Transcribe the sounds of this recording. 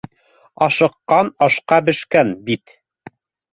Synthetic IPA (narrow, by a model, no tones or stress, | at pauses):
ɑʃɤ̆qːɑnɑʃqɑbɘ̆ʃkænbit̪